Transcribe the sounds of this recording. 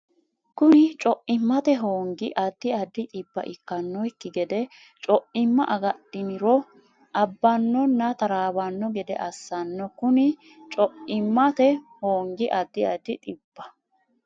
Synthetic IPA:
kʊnɪt͡ʃʼɔʔɪmːɐt̪ɛɦoːŋɡɪʔɐd̪ːɪɐd̪ːɪt̪ʼɪbːɐ̰ʔɪkːɐnːɔjkːɪɡɛd̪ɛ | t͡ʃʼɔʔɪmːɐʔɐɡɐɗɪnɪɾɔ | ʔɐbːɐnːɔnːɐt̪ɐɾaːwɐnːɔɡɛd̪ɛ̰ʔɐsːɐnːɔkʊnɪ | t͡ʃʼɔʔɪmːɐt̪ɛhoːŋɡɪʔɐd̪ːɪɐd̪ɪt̪ʼɪb̥ːɐ

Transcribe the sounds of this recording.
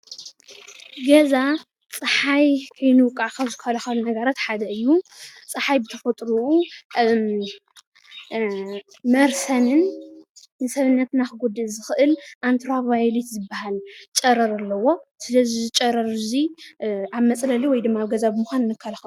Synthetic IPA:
ɡɐza | t͡sʼɨħajkʰɐjnuwʊkʼːaʕkʰɐβzɨkʰːɐlɐxɐlunɐɡɐɾat̪ħad̪ɐɨjːut͡sʼɨħajbɨt̪ʰɐfɐt̪ʼɾuu | mɐɾsɐnɨnː | ɨsɐβɨnːɐt̪naxɨɡud̪ɨzɨxɨʔɨlʔant̪ʰɾavajlit̪zɨbahalt͡ʃʼɐɾɐɾalːɐwo̞sɨlɐzizt͡ʃʼɐɾɐɾɨzi | aβmɐt͡sʼlɐliwɔjd̪ɨmːaβɡɐzabɨmuxʷanɨnːɨkʰːɐlɐxɐu

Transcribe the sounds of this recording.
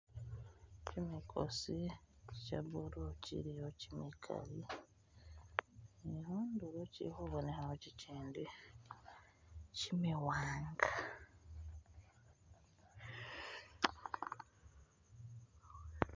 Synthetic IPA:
cimikʰo̰siicaβuɾucḭɾijocimikʰa̰li | ehondulocḭhuβonexaociciːndi | cimiwaːŋɡa

